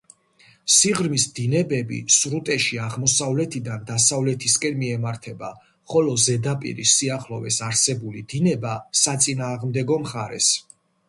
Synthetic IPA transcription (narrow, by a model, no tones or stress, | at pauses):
siʁɾmisd̪inɛbɛbḭsɾut̪ʼɛʃiaʁmɔsavlɛt̪ʰid̪and̪asavlɛt̪ʰiskʼɛnmiɛmaɾt̪ʰɛba | χɔlɔzɛd̪apʼḭɾḭsiaχlɔvɛsaɾsɛbulid̪̥inɛbasat̪sʼinaːʁmd̪ɛɡɔmχaɾɛ̰s